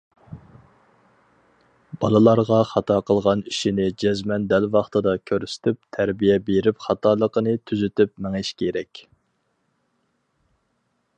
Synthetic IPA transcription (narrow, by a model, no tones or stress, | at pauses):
b̥ɑlˠɨlˠɑɾʁɑχɑt̪ʰɑqʰəlˠʁɑniʃinɪd͡ʒɛzmɛnd̪ælvɑχt̪ɨd̪ɑkʲʰøɾysɪ̥t̪ʰyp̚t̪ʰæɾbijɛbeɾɪpχɑt̪ʰɑːlˠəqənɨt̪ʰyzyt̪ypmɛŋɪʃkʲʰeɾɛkʲ